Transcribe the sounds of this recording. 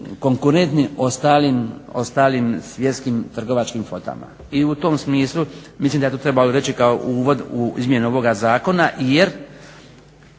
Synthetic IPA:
ko̞ŋkuɾe̞nt̪niʔo̞st̪aːliːmo̞st̪aːlimsʋʲje̞t̪skiːmt̪r̩ɡo̞ʋat͡ʃkiːmfo̞t̪a̰ma̰ | iut̪o̞msmiːslˠu | mislimd̪ajet̪ot̪ɾe̞baloɾe̞t͡ʃikaoʔuːʋo̞d̪uḭzmje̞nuo̞ʋo̞ɡazaːko̞naʔjeɾ

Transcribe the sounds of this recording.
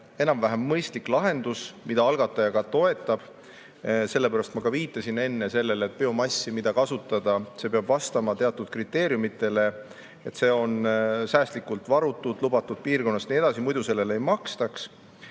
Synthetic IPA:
e̞nɑmvæɦæmːɤjst̪liklɑɦe̞nd̪̥usmid̪̥ɑɑlɡ̥ɑt̪ːˑɑjɑɡ̥ɑt̪o̞e̞t̪ːˑɑb̥ | se̞lːe̞pæɾɑst̪mɑkɑviːt̪ːˑɑsine̞nːe̞se̞lːe̞lːt̪̚pe̞o̞mɑsʲːimid̪̥ɑkɑsut̪ːˑɑd̪̥ɑse̞peɑb̥vɑst̪ɑmɑt̪eɑt̪ːˑud̪̥krit̪ːˑe̞ːɾjumit̪ːˑe̞le̞ | et̪se̞ːo̞nsæːst̪likːult̪ˑvɑɾut̪ːˑud̪̥lubɑt̪ːud̪̥̚piːrko̞nːɑst̪nie̞d̪̥ɑsimujd̪use̞lːe̞lejmɑkst̪ɑks

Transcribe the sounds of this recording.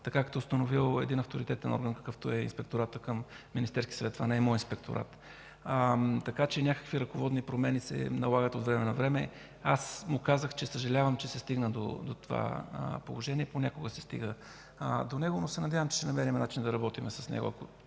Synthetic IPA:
t̪ɐkakɐt̪oʊst̪ɐnovilˠɛ̰d̪inɐft̪oɾit̪ɛt̪ɛnɔ̰ɾɡənkɐ̥kɤft̪oɛḭnspɛk̚t̪oɾat̪əkəmː | inist̪ɛɾski̥sɐvɛt̪ːvanɛɛmɔjinspɛkt̪o̰ɾa̰t̪ | t̪ɐkat͡ʃɛnʲjakə̥kviɾɐkovɔd̪nipɾomɛnisɛ̰nɐlˠaɣət̪ot̪vɾɛmɛnɐvɾɛmɛ | asmʊkazəxt͡ʃɛsəʒɐlʲavəmt͡ʃɛsɛst̪iɡnəd̪o̰d̪ot̪ova̰po̰lˠoʒɛniɛponʲakoɡəsɛ̥st̪ḭɡə | d̪onɛɡonosɛnɐd̪ʲjavəmt͡ʃɛ̥ʃt̪ɛnɐmɛɾʲimɛnat͡ʃind̪ɐɾɐbɔt̪imɛsɐsnɛ̰ɡʊ̰ɐ̰ko

